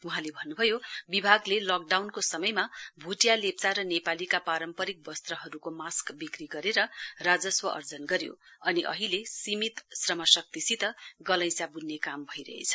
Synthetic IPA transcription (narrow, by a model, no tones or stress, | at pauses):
uɦãlebʱʌnːubʱʌjobibʱaɡlelʌk̚ɖawnkosʌmʌjmabʱuʈjalep̚t͡saɾʌnepalikapaɾʌmpʌɾik̚bʌst̪rʌɦʌɾukomaskbikriɡʌɾeɾʌrad͡zʌswʌʔʌ̰rd͡zʌnɡʌɾjo̰ʌniʔʌ̰ɦilesimit̪srʌmʌsʌk̚t̪isit̪ʌɡʌlʌ̃jsjabunːekambʱʌiɾʌ̰ɦḛt͡sʰʌ̥